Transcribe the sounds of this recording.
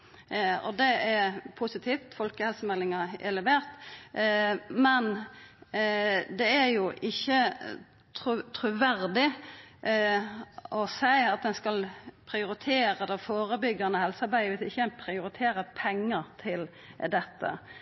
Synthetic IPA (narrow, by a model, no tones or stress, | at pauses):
ɔ̰d̪ɛæɾpʰʊsɪt̪ʰiːft̪fɔlkəhɛlsəmɛlːɪŋɑɛ̰lɛʋeːʁt̪ | mɛn | d̪ɛæɾjʊʔɪçːə | t̪ʰʁʉt̪ʰɾʉʋæɾd̪ɪ | ʔɔsæɪɑt̪̚d̪ɛnskɑlpʰɾɪʊɾɪt̪ʰeːɾəd̪ɛfoːɾəbʏɡːɑnəhɛlsəɑɾbæɪəʋɪsɪçəænpʰɾɪʊɾɪt̪ʰeːɾəpʰɛŋːət̪ʰɪl | d̪ɛt̪ʰːə̰